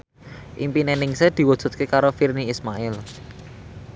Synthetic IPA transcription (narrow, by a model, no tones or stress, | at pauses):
ʔimpinenɪŋsed̪̥i̤wɔd̥ʒ̥ṳt̪̚kekaɾofirniismaɪl